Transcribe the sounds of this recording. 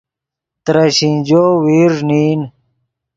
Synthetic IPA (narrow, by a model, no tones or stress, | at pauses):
t̪ɾaɕĩnd͡ʑoːwiːʐniːn